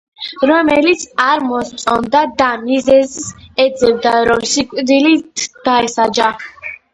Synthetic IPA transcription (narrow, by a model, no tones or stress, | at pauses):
ɾɔmɛlit̪sʰaɾmɔst̪sʼɔnd̪ad̪amizɛzsɛd̪zɛbd̪aɾɔmsikʼd̪ilit̪ʰd̪̥aɛsad͡ʒa